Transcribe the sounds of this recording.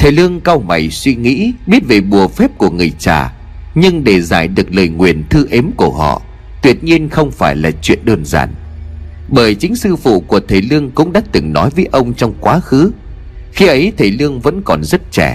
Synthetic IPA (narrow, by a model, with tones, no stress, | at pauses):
t̪ʰe˨˩lɨ˧əŋka˧wma˨˩jswi˧ŋḭ˧˥ɓi˦˥ət̚ve˨˩ɓu˨˩əfɛ˦˥p̚ku˧˩əŋɨ˨˩əjt͡ɕa̰ː˨˩ | ɲɨ˧ŋɗe˧˩zaː˧˩jɗɨ˨˩ək̚ləː˨˩jŋwi˨˩ənt̪ʰɨ˧ʔe˨˦mku˧˩əɦɔ̰˧˨ | t̪wi˨˩ət̚ɲi˧ənxə˧wŋ͡mfaː˧˩jlaː˨˩t͡ɕwḭ˧˨ənɗəː˧nza̰ː˧˩n | ɓəː˧˩jt͡ɕï˨˦ŋ̟sɨ˧fṵ˧˨ku˧˩ət̪ʰe˨˩lɨ˧əŋkʊ̰˧˥ŋ͡mɗa˦˥t̚t̪ɨ˨˩ŋnɔ˨˦jvəː˨˦jʔə˧wŋ͡mt͡ɕɔ˧wŋ͡mkwaː˨˦xɨ˨˦ | xi˨˧˦ʔə˨˦jt̪ʰə˨˩jlɨ˧əŋvə̰˧˥nkɔ˨˩nzə˦˥t̚t͡ɕɛ˧˩